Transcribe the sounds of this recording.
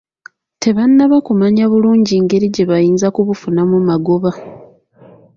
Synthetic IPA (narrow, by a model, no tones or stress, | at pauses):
te̞βanːaβakumaɲaβuluːɲɟiːŋɡe̞ɾiɟe̞βajiːnzakuβufunamumaɡoβa